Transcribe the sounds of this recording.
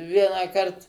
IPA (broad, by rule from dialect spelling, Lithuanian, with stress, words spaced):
ˈʋʲiɛnɑːkɐrt